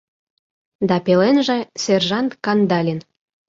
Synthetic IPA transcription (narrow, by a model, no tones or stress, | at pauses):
d̪ɑpelenʒĕserʒɑnt̪kɑnd̪ɑlʲin